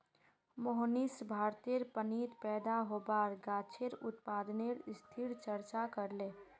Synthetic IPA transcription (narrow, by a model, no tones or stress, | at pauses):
moɦnisbʱaːɾt̪eɾpəniːt̪pɛːd̪aɦoːbaːɾɡaːt͡ʃʰeɾʊt̪paːd̪neɾst̪ʰiɾt͡ʃəɾt͡ʃakəɾleː